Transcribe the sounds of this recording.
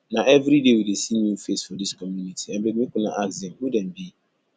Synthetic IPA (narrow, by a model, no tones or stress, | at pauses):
naʔɛvɾidewidesinufesfɔdiskɔmjunitʰiãnbɛɡmĩkʊna̰ʔakzɛ̃mhudɛ̃nbi